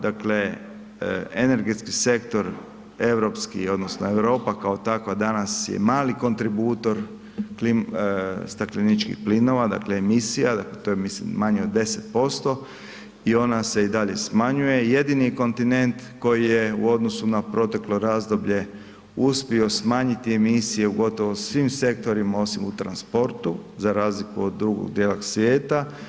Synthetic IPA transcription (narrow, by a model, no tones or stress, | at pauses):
d̪akle̞ | ene̞ɾɡet̪skise̞kt̪o̞ɾ | e̞ʋɾo̞pskḭo̞d̪nosnoe̞ʋɾo̞ːpakao̞t̪akʋad̪anasjḛmaːliko̞nt̪ɾibuːt̪o̞ɾ | klimst̪aklinit͡ʃkḭxplino̞ʋad̪a̰kle̞ːmisijad̪aklet̪ojemislḭmmaɲeod̪ːe̞set̪po̞st̪o̞ | io̞nase̞id̪aʎe̞smaɲuje̞je̞d̪iniko̞nt̪ine̞nt̪ko̞jije̞ṵo̞d̪nosunapɾo̞t̪e̞klo̞ɾaːzd̪o̞bʎe̞ | uspio̞smaːɲit̪ie̞misije̞uɡo̞t̪o̞ʋosʋimse̞kt̪o̞ɾimao̞simut̪ɾanspo̞ɾt̪uzaɾaːzlikuod̪ːɾuɡo̰ɡd̪jelaksʋje̞ːt̪a